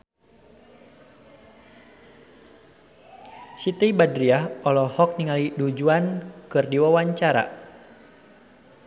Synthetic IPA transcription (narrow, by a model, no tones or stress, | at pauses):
sit̪iibadɾiahɔlɔhɔk̚niŋalidud͡ʒuankɨrdiwawaɲt͡ʃaɾa̰